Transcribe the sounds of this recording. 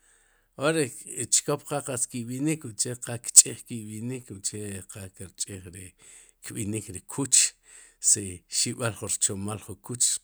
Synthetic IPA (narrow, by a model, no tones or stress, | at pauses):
oɾet͡ʃkop̚qaqaskiɓinikuʔt͡ʃeqakt͡ʃʼiχkiɓinikuʔt͡ʃeqakɾt͡ʃʼiχɾi | kɓinikɾikʰut͡ʃ | siʃiɓalχunɾt͡ʃomalχukut͡ʃ